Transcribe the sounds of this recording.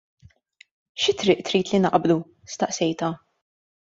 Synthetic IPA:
ʃɪt̪ɾɪːʔt̪ɾiːt̪linɐʔblu | st̪ɐʔsɛjt̪ɐ

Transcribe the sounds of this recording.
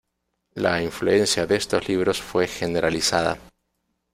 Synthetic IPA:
laiɱflue̞nsjaðee̞st̪o̞zliβ̞ɾo̞sfwe̞xe̞ne̞ɾalisaða̰

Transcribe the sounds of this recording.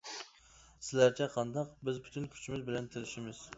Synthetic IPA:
sɪlæɾt͡ʃʰɛqʰɑnd̪ɑqbɪzpʰy̥t̪ʰynkʲʰy̥t͡ʃʰimɪzbɪlɛnt̪ʰɪɾɪʃimɪz̥

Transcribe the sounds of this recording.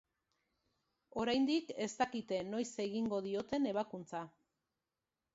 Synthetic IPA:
o̞ɾajnd̪ike̞st̪akit̪e̞no̞jse̞ɣiŋɡo̞ðio̞t̪e̞ne̞β̞akunt͡sa

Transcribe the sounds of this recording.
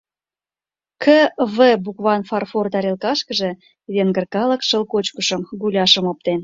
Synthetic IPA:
kʰəvəbukβɑnfɑrfort̪ɑɾelkɑʃkə̆ʒe | βeŋɡərkɑlə̆kʃə̆lkot͡ɕkəʃəmɡulʲɑʃəmop̚t̪en

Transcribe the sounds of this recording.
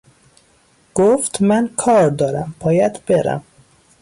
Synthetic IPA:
ɡ̥oft̪mænkʰɒːɾd̪ɒːɾæmb̥ʰɒːjæd̪b̥eɾæ̰m

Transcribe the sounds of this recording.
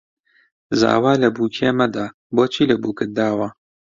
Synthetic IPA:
za̰ːwaːlɐbuːkʰeːmɐd̪aː | boːt͡ʃʰilɐbuːkɨd̪aːwaː

